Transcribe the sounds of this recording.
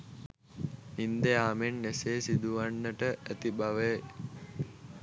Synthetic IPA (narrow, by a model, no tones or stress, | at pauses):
ind̪eaːmenːeseːsid̪uʋanːəʈəʔæt̪ibaʋe